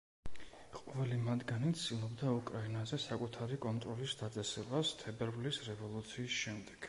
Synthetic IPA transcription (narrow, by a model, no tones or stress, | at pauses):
qʼɔvɛlimad̪ɡanit̪sd̪ilˠɔbd̪aukʼɾainazɛsakʼut̪ʰaɾikʼɔnt̪ʼɾɔlisd̪at̪sʼɛsɛbast̪ʰɛbɛɾbʼlisɾɛvɔlˠut̪sʰiːsʃɛmd̪ɛɡ̥